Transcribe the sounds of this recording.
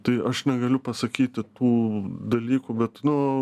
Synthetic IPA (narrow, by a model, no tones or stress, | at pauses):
t̪ɐɪʔɐʃnʲɛɡɐlʲʊpɐsɐkʲiːt̪ʲɪt̪uːd̪ɐlʲiːkuːbʲɛt̪nʊ